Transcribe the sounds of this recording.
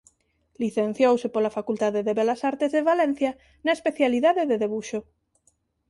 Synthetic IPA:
liθen̟θjowsepolafakult̪aðeðeβelasaɾt̪ezðeβalɛ̃n̟θja | naespeθjaliðaðeðeðeβuʃo

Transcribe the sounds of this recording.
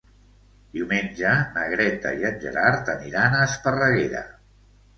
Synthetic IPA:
d̪̥iwmenʲd͡ʒənəɣ̞ɾɛt̪ə̰iənʲʒə̰ɾaɾt̪əniɾanəːspərəɣeɾə̰

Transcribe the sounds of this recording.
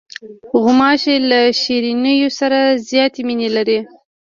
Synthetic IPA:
ɣʊmɑʃelaʃiɾinəjosaɾazjɑt̪eminelaɾi

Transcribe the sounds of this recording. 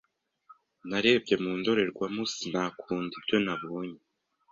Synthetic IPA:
naɾe̞ːbɟe̞muːndo̞ɾe̞ɾɡwamusinaːkʰuːndibɟo̞naβuːɲe

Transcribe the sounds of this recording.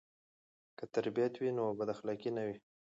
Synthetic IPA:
kət̪aɾbijat̪winobad̪axlɑkinawi

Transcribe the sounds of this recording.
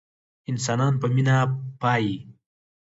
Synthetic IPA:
ɪns̬ɑːnɑːnpəminapɑːji

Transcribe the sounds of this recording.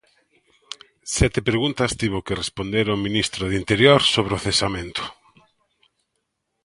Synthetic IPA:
sɛt̪ɪpɾeɣunt̪ɐst̪iβʊkɪrespond̪eɾamĩnist̪ɾʊðint̪eɾjoɾsoβɾɪoθesamẽnt̪ʊ̥

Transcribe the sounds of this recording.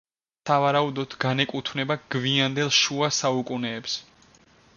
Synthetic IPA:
savaɾaud̪ɔd̪̥ɡanɛkʼut̪ʰvnɛbaɡ̥viand̪ɛlˠʃuasaukʼunɛːps

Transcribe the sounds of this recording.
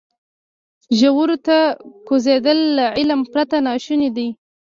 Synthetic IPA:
ʒawuɾot̪akozed̪əlːaʕɪlampɾat̪anɑʃunid̪i

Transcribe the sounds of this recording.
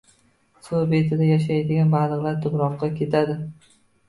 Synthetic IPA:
sobet̪ʰɪd̪ajaʃ̬ajd̪ɪɡʲanbalˠɨqlˠaɾt̪ʰʊbɾɒqːɑkʲʰe̞t̪ʰad̪ɪ

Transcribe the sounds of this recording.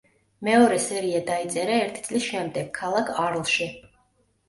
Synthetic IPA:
mɛɔɾɛsɛɾiad̪ait̪sʼɛɾaɛɾt̪ʰi̥t̪sʼlisʃɛmd̪ɛɡ̥̚kʰːalˠakʰaɾlˠʃi

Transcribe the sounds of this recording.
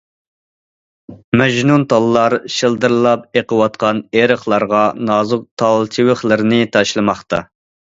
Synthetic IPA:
mɛʒnunt̪ʰɑlˠːɑɾʃɨlˠd̪ɨɾlˠɑp̚eqʰəwɑt̪̚qʰɑneɾəχlˠɑɾʁɑnɑːzʊq̚t̪ʰɑlˠt͡ʃ̪ʰiwɪχlˠɨɾnɪt̪ʰɑʃlˠɨmɑχt̪ɑ̰

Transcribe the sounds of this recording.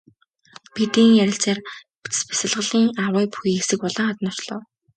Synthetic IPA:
pit̪iːŋjæɾʲɪ̆ɬt͡saːrpʰt͡s̆spḁsɪ̆ɮʁə̆ɮiːŋawaːpu̥xiːxesɘ̆kpɔɮɞ̆ŋat̪nɔ̥t͡ɕɮɔ̰ː

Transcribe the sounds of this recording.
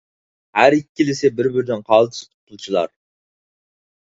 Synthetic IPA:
hæɾikʲːilɪsɪbɪɾbɪɾd̪ɪnqʰɑːlˠt̪ʰɨ̥st̪ʰu̥p̚t̪ʰulˠt͡ʃʰɨlˠɑ̰ɾ

